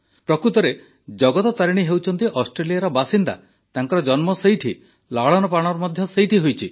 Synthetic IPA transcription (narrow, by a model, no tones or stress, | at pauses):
pɾɔkɾut̪ɔɾe | d͡ʒɔɡɔt̪ɔt̪aɾiɽ̃iɦewt͡ʃʰɔnt̪iʔɔsʈɾelijaɾɔbasind̪a̰ | t̪aŋkɔɾɔd͡ʒɔnmɔsejʈʰi | laɭɔnɔpɾaɽ̃ɔɾɔmɔd̪ʱjɔsejʈʰiɦojt͡ʃʰi